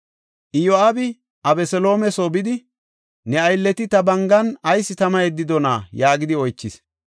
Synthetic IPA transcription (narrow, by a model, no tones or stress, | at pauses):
ʔɪjoabɪ | ʔɐbɛsɛlo̞ːmɛsoːbɪd̪ɪ | nɛɐjlːɛt̪ɪt̪ɐbɐŋɡɐnɐjsːɪt̪ɐmɐɛd̪ːɪd̪ɔnaːjaːɡɪd̪ɪɔjt͡ʃːɪs